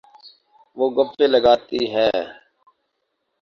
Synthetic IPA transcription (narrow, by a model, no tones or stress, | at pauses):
ʋoːɡəfeːləɡaːt̪iːɦɛː